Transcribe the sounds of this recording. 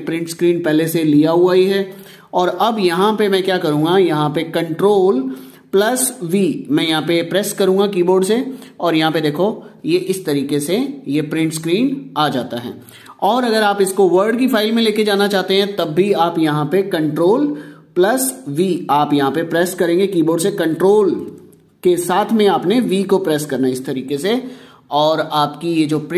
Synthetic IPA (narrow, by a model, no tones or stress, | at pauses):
pɾɪ̃ɳʈskɾiːnpɛɦleseliaɦuaːiɦɛː | ɔːɾɐbjɐɦãpemɛ̃kjaːkɐɾũːŋɡajɐɦãpekɐ̃ɳʈɾoːl | plɐsʋiːmɛ̃jɐɦãpepɾɛːskɐɾũːŋɡakiːboːɾɖseɔːɾjɐɦãped̪eːkʰojeʔɪst̪ɐɾiːkesejepɾɪ̃ɳʈskɾiːnaːd͡ʒaːt̪aɦɛ̰ː | ɔːɾɐɡəɾaːpɪskoʋəɾɖk̬ifʰaːɪlmẽleːked͡ʒaːnat͡ʃaːɦt̪eɦɛ̃t̪ɐbʱːiaːpjɐɦãpekɐ̃ɳʈɾoːlplɐsʋiːaːpjɐɦãpepɾɛːskɐɾẽːŋɡekiːboːɖsekɐ̃ɳʈɾoːl | kesaːt̪ʰmẽaːpneʋiːkopɾɛːskɐɾnaɪst̪ɐɾiːkese | ɔːɾaːpkijed͡ʒoːp